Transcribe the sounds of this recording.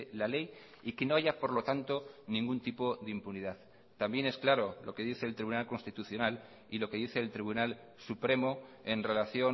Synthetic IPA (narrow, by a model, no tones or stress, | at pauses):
lale̞j | ikeno̞aʝapo̞ɾlo̞t̪ant̪o̞nĩŋɡunt̪ipo̞ðimpuniðað | t̪ambje̞ne̞sklaɾo̞lo̞̰ke̞ðiθe̞ːlt̪ɾiβunalko̞nst̪it̪uθjo̞nal | ilo̞ke̞ðiθe̞ːlt̪ɾiβ̞unal | supɾe̞moe̞nre̞laθjo̞